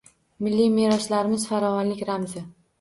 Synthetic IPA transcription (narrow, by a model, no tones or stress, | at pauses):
mɪlːime̞ɾɒʃlaɾɪmɪzfaɾɒvɒnlɪkʲɾamzɪ